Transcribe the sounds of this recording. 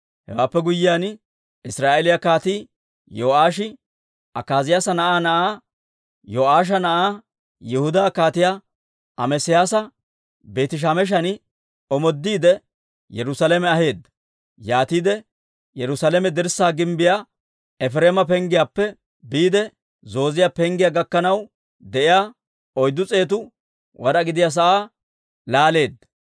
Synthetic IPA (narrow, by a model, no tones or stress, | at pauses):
hɛ̰waːpːɛɡʊjːɪjaːn | ɪsɾaːʔɛlɪjakaːt̪iː | joːʔaːʃɪ | ʔɐkːaːzɪjaːsɐnɐʔaːnɐʔaː | joːʔaːʃ̬ɐnɐʔaː | jɛhʊd̪aːkaːt̪ɪja | ɐmɛsɪjaːsɐ | beːt̪ɪʃ̬amɛʃ̬ɐnɪ | ɔmɔd̪ːiːd̪ɛ | jɛɾʊsalɛmɛɐɦe̞ːd̪ːɐ̥ | jaːt̪iːd̪ɛ | jɛɾʊsalɛmɛd̪ɪɾsaːɡɪmbɪja | ɛfɾeːmɐp̬ɛŋɡɪjaːpːɛ | biːd̪ɛ | zo̞ːzɪjaːpɛŋɡɪjaːɡɐkːɐnɐw | d̪ɛʔɪjaː | ɔjd̪ːʊt͡sʼe̞ːt̪̬ʊ | wɐɾɐɡɪd̪ɪjas̬ɐʔaː | laːle̞ːd̪ːɐ